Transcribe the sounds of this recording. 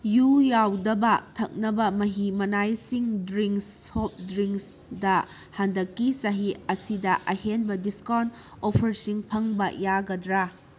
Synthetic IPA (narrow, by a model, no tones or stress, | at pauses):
jujawdɐbɐtʰɐk̚nɐbɐmɐɦimɐnajsiŋdɾiŋsop̚dɾiŋks | dɐ | handɐkːisɐɦiɐsidɐʔɐhenbɐdiskan | opʰɐɾsiŋpʰɐŋbɐjaɡɐdɾa